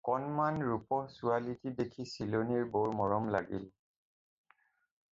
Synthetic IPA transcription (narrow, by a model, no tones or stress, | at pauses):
kɔnmanɹupɔsualitidekʰisiloniɹboɹmɔɹɔmla̰ɡḭl